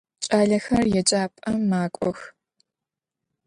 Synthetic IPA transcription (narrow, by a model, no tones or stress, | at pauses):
t͡ʃʼaːɮɐxɐrjɛt͡ʃʼaːpʼɐːaːkʷʼɔx